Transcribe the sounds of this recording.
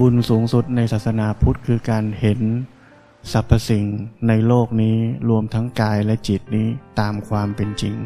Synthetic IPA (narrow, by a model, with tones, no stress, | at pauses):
bu˧nsuː˩˦ŋsu˨˩t̪̚na˧jsaː˨˩t̪̚sa˧naː˨˩˦pʰu˦˥t̪̚kʰɯː˧kaː˧nhe˩˦n | sa˨˩pʰːa˧si˨˩ŋna˧jloː˥˩k̚niː˦˥ɾu˧əmt̪ʰa˦˥ŋkaː˧jlɛ˦˥ʔt͡ɕi˨˩t̪̚niː˦˥t̪aː˧mkʰwaː˧mpe˧nt͡ɕi˧ŋ